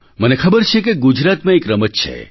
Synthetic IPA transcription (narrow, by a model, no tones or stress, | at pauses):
mənekʰəbəɾt͡ʃʰekeɡud͡ʒɾat̪mãekɾəmət̚t͡ʃʰḛ